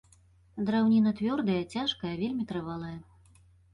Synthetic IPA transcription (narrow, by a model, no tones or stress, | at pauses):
d̪ɾawnʲinɐt̪vʲɔrd̪ɐjɐt͡sʲaʂkɐjɐvʲelʲmʲit̪ɾɨvalˠɐjɐ